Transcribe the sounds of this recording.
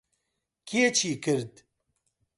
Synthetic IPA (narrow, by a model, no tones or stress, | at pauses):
kʰiet͡ʃʰiːkɨɾd̪